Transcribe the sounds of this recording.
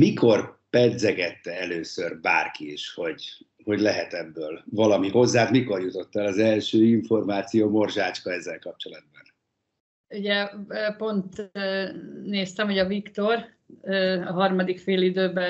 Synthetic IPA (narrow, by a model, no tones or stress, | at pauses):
miko̞rpɛd̪zɛɡɛt̪ːɛɛløːsørba̰ːrkiiʃho̞ɟ | ho̞ɟlɛɦɛt̪ɛbːøːlvɒlɒmiho̞zːaːt̪miko̞rjut̪o̞t̪ːɛlɒzɛlʃøːiɱfo̞rmaːt̪sijoːmo̞rʒaːt͡ʃkɒɛzːɛlkɒp̚t͡ʃo̞lɒd̪̚bɒn | uɟɛpo̞nt̪ː | neːst̪ɛmɦoɟɒvikt̪o̞rː | ɒɦɒrmɒd̪ikfeːlid̪øːbɛ